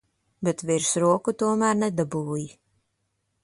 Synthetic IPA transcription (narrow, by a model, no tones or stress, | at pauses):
bɛt̪viɾsɾuɔkut̪uɔmæːɾnɛd̪abuːji